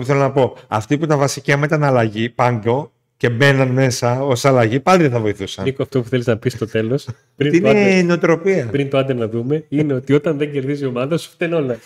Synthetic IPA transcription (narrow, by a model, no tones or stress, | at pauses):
θelonɐpo̞ɐft̪iput̪ɐvɐsiciɐmet̪ɐnɐlɐʝipɐŋɡo̞ | ce̞be̞nɐnme̞sɐo̞sɐlɐʝipɐliðeθɐvo̞iθusɐnikoɐft̪opu̥θeliznɐpist̪ot̪e̞lo̞s | inneneot̪ɾo̞piɐpɾint̪oɐnd̪enɐðume̞ineot̪io̞t̪ɐnðeɲɟe̞ɾðizio̞mɐðɐsu̥ft̪eno̞lɐ